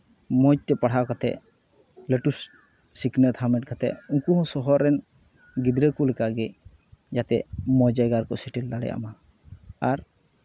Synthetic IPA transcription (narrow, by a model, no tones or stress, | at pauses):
mɔt͡ʃ̚t̪ɛpaɽ̤akat̪ɛ̰ | leʈus | siknət̪ʰamɛʈ̚kat̪ɛ̰uŋkuɦɔ̃sɔɦɔɾːɛn | ɡid̪ɾəkulɛkaɡɛ | d͡ʒat̪ɛmɔd͡ʒajɡaɾkɔsiʈild̪aɽɛ̰jʔa̰ma | aɾ